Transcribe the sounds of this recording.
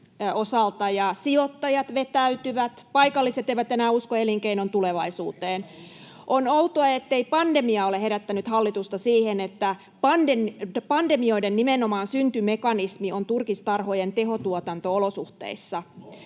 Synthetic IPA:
osɑlt̪ɑjɑsiot̪ːɑjɑt̪ʋet̪æyt̪yʋæt̪pɑikɑlːiset̪eiʋæt̪enæːuskoeliŋkeinont̪uleʋɑisuːt̪eːn | ʔonout̪oɑet̪ːeipɑndemiɑoleheɾæt̪ːænyt̪hɑlːit̪ust̪ɑsiːhenet̪ːæ | pɑndepɑndemio̞idenːimenomɑːnsynt̪ymekɑnismiont̪urkist̪ɑrhojent̪eɦot̪uot̪ɑnt̪oolosuht̪ḛisːɑ

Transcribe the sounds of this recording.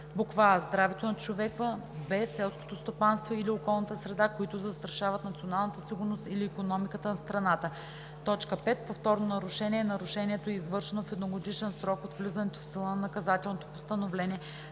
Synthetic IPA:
bʊkvaɛzd̪ɾavɛt̪onɐt͡ʃovɛkəbɛsːɛlˠsko̥t̪ost̪opanst̪voiliokɔlˠnət̪əsɾɛd̪akoit̪ʊzəst̪ɾɐʃavɐt̪nɐt̪sionalˠnət̪əsiɡʊɾnost̪iliːkonɔmikət̪ənɐst̪ɾɐnat̪ə | t̪ɔt͡ʃkəpɛt̪̚poft̪ɔɾnonɐɾʊʃɛniɛːnɐɾʊʃɛniɛt̪oɛizvɤɾʃɛnofɛd̪noɡoɡ̪it͡ʃɛnsɾɔkot̪vlizənɛt̪o̥fsilˠənɐnɐkɐzat̪ɛlˠnot̪o̥post̪ɐnovlɛniɛ

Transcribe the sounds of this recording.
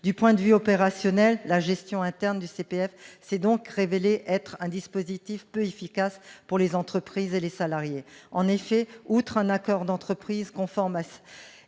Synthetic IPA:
d̪ypwɛ̃d̪əvyɔpeʁasjɔnɛlːaʒɛst̪jɔ̃ɛ̃t̪ɛʁnd̪ysepeɛfsɛd̪ɔ̃kʁeveleʔɛt̪χɛ̃d̪ispozit̪ifpøefikaspuʁlezɑ̃t̪χəpχizelesalaʁjeɑ̃nefɛut̪χɛ̃nakɔʁd̪ɑ̃t̪χəpχizkɔ̃fɔʁma

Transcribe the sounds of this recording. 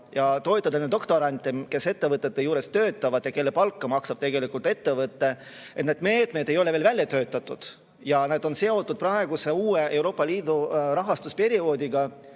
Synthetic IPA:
jɑt̪o̞et̪ːˑɑd̪ɑned̪o̞kt̪o̞ɾɑnʲt̪ʲːˑemke̞se̞t̪ːe̞vɤt̪ːˑet̪ːe̞juːɾe̞st̪ø̞ːt̪ˑːɑvɑd̪̥jɑke̞lːe̞pɑlkːɑmɑksɑb̥t̪e̞ɡe̞likˑult̪e̞t̪ːe̞vɤt̪ːe̞ | et̪ned̪̥me̞ːt̪me̞d̪e̞jo̞leve̞ːlvælʲjɑt̪øːt̪ːˑɑt̪ːˑud̪̥ | jɑneːd̪o̞nse̞o̞t̪ˑːud̪̥̚prɑe̞ɡ̥use̞uːeʔewɾo̞ːpˑːɑliːd̪̥uɾɑɦɑst̪uspe̞ɾio̞ːd̪ʲiɡɑ

